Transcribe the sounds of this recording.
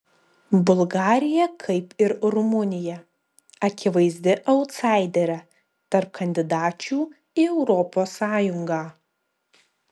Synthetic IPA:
bʊlˠɡɑːɾʲɪjɛkʰɐɪpɪɾɾʊmʊnʲɪjɛ | ɐkʲɪʋɐɪzʲd̪ʲɪʔɐʊt̪sɑˑɪd̪ʲɛɾʲɛ | t̪ɐɾp̚kʰɐnʲd̪ʲɪd̪ɑːt͡ʃʲuː | ɪɛʊɾɔpoːsːɑːjʊŋɡɑː

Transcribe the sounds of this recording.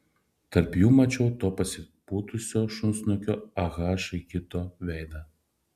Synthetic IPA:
t̪ɐɾpjuːmɐt͡ʃʲɛʊt̪oːpɐsʲɪpuːt̪ʊsʲoːʃʊnsnɔkʲoːɐɣɑːʃɐɪkʲɪt̪oːʋʲɛɪd̪ɐ

